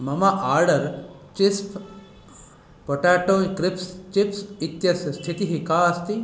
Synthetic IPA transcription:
mɐmɐʔaːɾɖɐɾ | t͡ʃispʰ | poʈaːʈoːkɾipst͡ʃipsit̪jɐsɐst̪ʰit̪iɦikaːɐst̪i

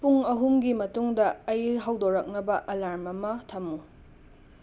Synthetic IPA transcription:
puŋɐɦumɡimɐtuŋdɐːjɦɐwdoɾɐk̚nɐbɐʔɐlaɾmɐmɐtʰɐmu

